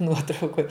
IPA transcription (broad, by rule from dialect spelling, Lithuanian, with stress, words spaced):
ˈnuɔtrɐʊkoːj